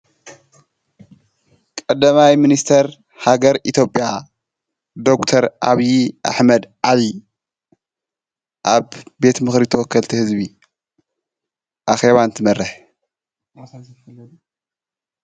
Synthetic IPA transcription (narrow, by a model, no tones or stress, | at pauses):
kʼɐd̪ːɐmajminist̪ʰɐɾ | haɡɐɾʔit̪ʰjo̞pʼja | d̪o̞kt̪ʰɐɾʔa̰βiʔa̰ħmɐd̪ʕali | ʔaβbe̞t̪mɨxɾit̪ʰɐwɔkːɐlt̪ʰihɨzbi | ʔaxe̞βant̪ʰimɐɾːɐħ